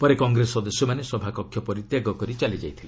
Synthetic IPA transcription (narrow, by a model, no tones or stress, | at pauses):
pɔɾekɔŋɡɾesɔd̪esjɔmanesɔbʱakɔkʰːjɔpɔɾit̪jaɡɔkɔɾit͡ʃalid͡ʒajt̪ʰile